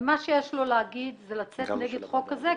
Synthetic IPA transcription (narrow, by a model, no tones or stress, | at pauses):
maʃejeʃlo̞leaɡid̪zelat͡setneɡed̪χo̞kːaze